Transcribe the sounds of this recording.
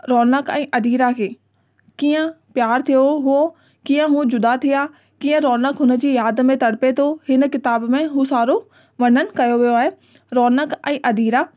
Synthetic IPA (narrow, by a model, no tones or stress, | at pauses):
ɾɔːnəkɛ̰̃ːʔɐd̪iːɾakʰeː | kiːə̃ | pjaːɾt̪ʰijoɦʊo | kiːə̃ɦũd͡ʑʊd̪at̪ʰijaː | kiːə̃ɾɔːnəkɦʊnə̆d͡ʑiːjaːd̪mẽt̪ɐɽpet̪ʰoɦɪnəkɪt̪aːbmẽɦũsaːɾo | ʋɐn̤ənɪ̆kɐjoʋijoaːɦe | ɾɔːnəkɛ̃ːʔɐd̪iːɾa